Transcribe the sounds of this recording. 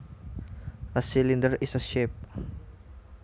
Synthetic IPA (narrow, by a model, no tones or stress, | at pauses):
ʔəsilindərisəʃɛp̚